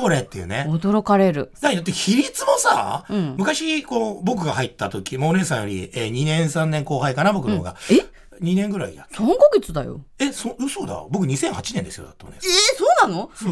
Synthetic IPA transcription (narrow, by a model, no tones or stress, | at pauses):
boɾet̪ːe̞jɯ̟ːneod̪oɾo̞kaɾe̞ɾɯ̟d̪aid̪at̪ːeçiɾʲit͡sɨmo̞saːɯ̟̃ɴmɯ̟kaɕikoːbo̞k̬ɯ̟ɡahait̪ːat̪o̞kʲimaone̞ːsãjo̞ɾʲḭeɲ̟inẽ̞ɰ̃sãnːẽ̞ŋko̞ːɦaikanabokɯooɡa̰e | ɲ̟inẽ̞ŋɡɯ̟ɾaid̪asõŋɡoɡet͡sɨd̪a̰jo̰esosoːd̪a̰obo̞kɯ̟ɲ̟isẽ̞hat͡ɕinẽ̞nd̪e̞sɨjod̪at̪ːooneesoːnãno